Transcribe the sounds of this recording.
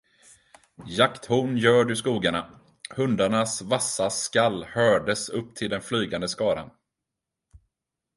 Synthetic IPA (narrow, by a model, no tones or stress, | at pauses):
jakt̪hʊːnjœːɖɵskuːɡaɳa | hɵnd̪aɳasvasːaskalːhœːɖəsɵpːt̪ʰɪld̪ɛnflyːɡand̪əskɑːɾa̰n